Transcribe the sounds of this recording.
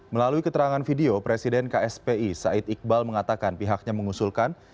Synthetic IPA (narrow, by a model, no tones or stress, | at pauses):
məlaluikət̪əɾaŋanfideopɾesidɛnkaɛspeisait̪ik̚balməŋat̪akanpiɦak̚ɲaməŋusulkan